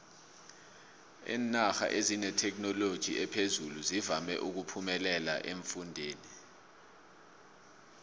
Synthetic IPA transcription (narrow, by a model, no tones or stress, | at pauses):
ḭːnaxa̰ʔezinɛtʰɛk̬nɔlod̥ʒ̥ʱḭʔɛpʰezuluzivamɛ̰ʔuk̬upʰumɛlɛla̰ʔeɱfundʱeːni